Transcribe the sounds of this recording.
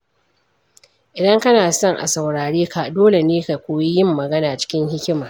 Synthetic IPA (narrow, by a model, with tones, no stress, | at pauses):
ʔɪ˨dɐ˦ŋkɐ˦naː˨sɔ˦˨ŋʔa̰˨sɐ˨wɽaː˨ɽeː˦ka˨doː˦le˨neː˦ka˨kʷoː˨ji˦jɪ˦mːɐ˨ɡɐ˦naː˨t͡ʃɪ̥˦kʲɪ˦ŋhɪ˦kʲɪ˦maː˨